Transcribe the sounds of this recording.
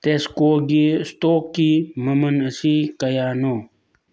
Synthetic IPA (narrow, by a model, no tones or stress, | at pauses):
t̪eskoːɡest̪oːkːimɐmɐnəsikɐjaːnoː